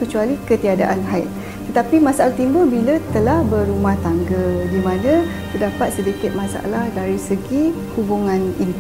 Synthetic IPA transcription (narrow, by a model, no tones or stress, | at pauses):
kət͡ʃualikət̪iada̰ʔanɦaɪt̪̚ | t̪ːət̪apimasaalaht̪imbəlbilət̪əlahbərumaht̪aŋɡədimãnə̃ | t̪ədapat̪̚sidikɪt̪̚mãsa̰lahdaɾisəɡi | hubuŋãnḭn